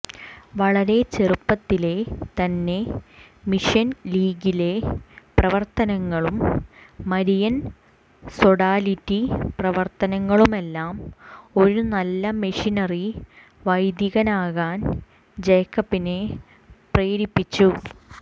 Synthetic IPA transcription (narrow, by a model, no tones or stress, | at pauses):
ʋɐɭɐɾe̞t͡ɕerupːɐt̪ːile̞t̪ɐnːe̞ | miʂɐnliːɡile̞prɐʋɐrt̪ɐnɐŋːɐɭumː | ɐɾijɐn | so̞ɽaːlitːiprɐʋɐrt̪ɐnɐŋːɐɭume̞lːaːmo̞ɾunɐlːɐmiʂinɐri | ʋɐjd̪jiɣɐnaːɣaːn | d͡ʑejkːɐpːine̞ | preːɾipːit͡ɕːu